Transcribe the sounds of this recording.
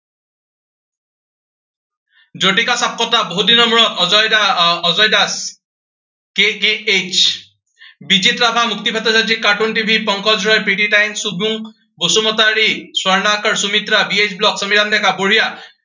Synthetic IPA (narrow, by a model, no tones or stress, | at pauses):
d͡ʒoʈikasap̚kɔtaboɦudinɔmuɹɔtɔzɔjdaɔzɔjdas | kekeet͡ʃ | bid͡ʒitɹabʱamukt̪ipʰatɔsad͡ʒikːaɹʈuntibʱipɔŋkʰɔd͡ʒɹɔjpɹiʈiʈajnsubuŋ | bosumɔtaɹiswɔɹnakɔɹsumit̪ɾabiet͡ʃblɔksəmiɾandɛkaboɹija